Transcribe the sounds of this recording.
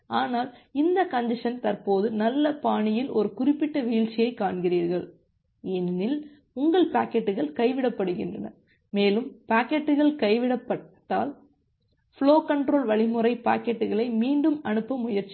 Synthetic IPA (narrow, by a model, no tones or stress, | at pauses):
aːnaːlɪnd̪ɐkɐnd̪ɪʂɐnt̪ɐrpoːðɯnɐlːɐpaːɳɪjɪlɔɾɯkʊrɪpːɪʈːɐʋiːɭt͡ʃːɪjɐɪkːaːɳɣɪriːɾɣɐɭ | ɛnːɪl | ʊŋɡɐɭpaːkːɛʈːɯɣɐɭkɐɪʋɪɽɐpːɐɽɯɣɪ̰ndrɐ̰nɐ̰ | meːlɯmpaːkɛʈːɯɣɐɭkɐɪʋɪɽɐpːɐʈːa̰ːl | fɪɭoːkɐɳʈɾoːlʋɐɭɪmɯrɐɪpa̰ːkɛʈːɯɣɐɭɐɪmiːɳɖɯmɐɳɯpːɐmːʊjɐɾt͡ʃːi̥